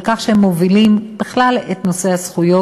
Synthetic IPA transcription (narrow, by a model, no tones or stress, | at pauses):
kaχʃehemːovilimb̥eχlalet̪no̞se̞hasχujo